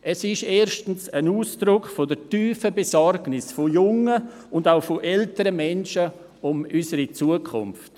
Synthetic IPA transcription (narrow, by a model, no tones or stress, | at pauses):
ʔɛsɪʃeːʃtn̩sənuːsd̥ɾʊkfodətyːfəbesɔrɡnɪsfojʊŋə | ʊndaʊfoʔɛltəɾəmɛnʃə | ʊmysəɾit͡suəkʰʊ̰mft